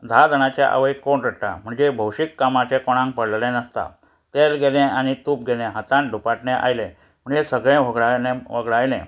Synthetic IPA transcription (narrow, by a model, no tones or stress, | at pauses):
d̪ʱad̪ʱəɽ̃at͡ɕjaʔə̰ʋəikːonɾəa̰m̤əɳd͡zebʱəwɕikːamat͡ɕɛkoɽ̃ãŋk̚pəɽllɛ̃nəst̪a̰ | t̪elɡelɛ̃añit̪uːp̚ɡelɛ̃ɦət̪ãnɖʱupaʈnɛ̃ʔa̰jlẽ | m̤əɳd͡zesəɡɭẽʋəɡɭaẽʋəɡɭajlɛ̰̃